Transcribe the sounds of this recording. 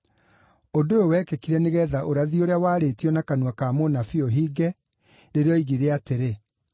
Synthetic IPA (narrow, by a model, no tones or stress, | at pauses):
odoowɛkɛkiɾɛneɣɛðaʔoɾaðioɾeawaːɾetiɔnakanwakamonafioɦiːɡɛ | ɾeɾeɔiɣiɾeateɾe